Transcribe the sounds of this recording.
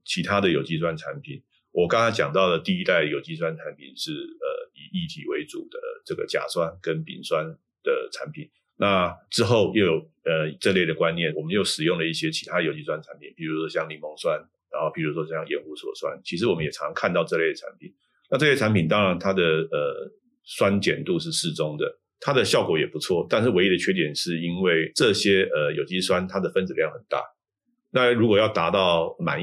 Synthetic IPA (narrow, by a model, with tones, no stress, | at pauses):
t͡ɕʰi˧˥t̪ʰa˥d̪ə˨jo˨˩ʊt͡ɕi˥˧s̬wa˥nʈ͡ʂʰa˧˥npʰḭ˨˩˦n | wɔ˨kɑ˥ŋa˥t͡ɕjɑ˨˩ŋt̪ɑ˥˩ʊlə˩t̪i˥˩i˦t̪a˥˩ɪjo˨˩ʊt͡ɕi˥˧s̬wa˥nʈ͡ʂʰa˧˥npʰḭ˨˩nʂɻ̩˥˩ə̰˩i˨˩i˥˩t̪ʰḭ˨˩we˧˥ɪt͡sṵ˨˩d̪̥ə˦ʈ͡ʂɤ˥˩ɡə̰˩t͡ɕja̰˨˩swa˥nkə˦npḭ˨˩nswa˦n | d̪̥ə˨˩ʈ͡ʂʰa˧˦npʰi˨˩n | na˥˨ʈ͡ʂɻ̩˥xo˥˩ʊjo˥˩ʊjo˨˩ʊ | ə˩˨ʈ͡ʂɤ˥˧le˥˩ɪd̪ə˩kwa˦˥nːjɛ˥˩nwɔ˨˩mə˦njo˥˩ʊʂɻ̩˨˩jʊ˥˩ŋlə˩i˥˩ɕjɛ˥t͡ɕʰi˧˥t̪ʰa˥də˨jo˨ʊt͡ɕi˥˧s̬wa˥nʈ͡ʂʰa˧˦npʰi˨˩npʰi˨˩ɻu˧˥ʂwɔ˥ɕjɑ˥˧ŋli˧˩mo˧˥ŋswa˦n | ɻa˧˥nxo˥˩ʊpi˨˩ɻu˧˥ʂwɔ˥ɕjɑ˥˧ŋjɛ˨˥nxu˥swɔ̰˨˩swa̰˦nt͡ɕʰi˧˥ʂɻ̩˧˥wɔ˨˩mə˦njɛ˨˩ɑ˧˦˥ŋkʰa˥˧nt̪ɑ˥˧ʊʈ͡ʂɤ˥˧le˥˩ɪdə˩ʈ͡ʂʰa˧˥npʰḭ˨˩˦n | na˥˧ʈ͡ʂɤ˥˧e˥˩ʈ͡ʂʰa˧˥nmpi˨˩nt̪ɑ˥ŋɻa˧˥nt̪ʰa˥d̪ə˨˩ə˩ | swa˦˥nt͡ɕjɛ˨˩nt̪u˥˧ʂ̬ɻ̩˥˧ʂɻ̩˥˩ʈ͡ʂʊ˥ŋd̪ə̰˨ | t̪ʰa˥d̪ə˨ɕjɑ˥˩ʊkwɔ˧˥jɛ˨˩pu˧˥t͡sʰwɔ˥˩t̪a˥˧nʂ̬ɻ̩˥˩we˥ɪi˥d̪ə˨t͡ɕʰɥɛ˥t̪jɛ˨˩nʂɻ̩˥˩i˥nwe˥˩ɪʈ͡ʂɤ˥˨˩ɕjɛ˥ə˨˩jo˨˩ʊt͡ɕi˥swa˥˦nt̪ʰa˥d̪ə˨fə˥nt͡s̩˨˩ljɑ˥˩ŋxə˨˩nt̪a̰˥˩ | na˥˨ɻu˧˥kwɔ˨˩jɑ˥˩ʊt̪a˧˥t̪ɑ˥˩ʊma̰˨˩n